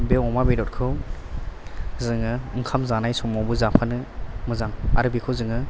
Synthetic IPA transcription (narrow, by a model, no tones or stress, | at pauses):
bewɔmabedɔt̚kʰɯw | zɯŋɯɯŋkʰamzanajsɔmɔwbɯzapʰanɯmɯzaŋa̰ɾɯbikʰɯwzɯŋɯ